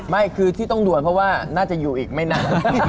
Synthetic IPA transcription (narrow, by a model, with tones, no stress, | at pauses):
ma˥˩jkʰɯː˧t̪ʰi˥˩t̪ɔ˥˩ŋdu˨˩ən̚pʰɔ˦˥waː˥˩naː˥˩t͡ɕa˨˩juː˨˩ʔiː˨˩k̚ma˥˩jna˥˩n